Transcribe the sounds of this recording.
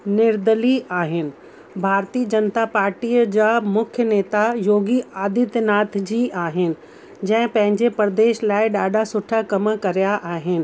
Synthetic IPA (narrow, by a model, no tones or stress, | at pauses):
nɪɾd̪əliaːɦɪnɪ̆ | bʱaːɾt̪iːəd͡ʑɐnt̪apaːɾʈiːəd͡ʑaːmʊkʰjəneːt̪ajoːɡiaːd̪ɪt̪naːt̪ʰd͡ʑiːʔaːɦɪnɪ̆ | d͡ʑɐ̃ɦɪ̃pɐ̃ɦɪ̃ɲd͡ʑepɾd̪eːʃlaːɪɗaːɖʱasʊʈʰakɐmkɐɾijaʔaːɦɪnɪ̆